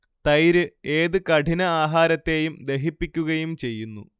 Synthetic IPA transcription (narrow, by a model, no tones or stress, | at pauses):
t̪ɐjɾɨe̞ːðɨkɐʈʰinɐaːɦaːɾɐt̪ːe̞ːjumd̪e̞ɦipːikʲːuɣɐjumt͡ɕe̞jːunːṵ